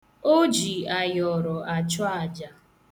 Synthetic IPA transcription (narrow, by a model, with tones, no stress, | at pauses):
o˦d͡ʒi˨a˨jɔ˨ɾɔ˨ʔa˨t͡ʃɔ˦a˨d͡ʒa˨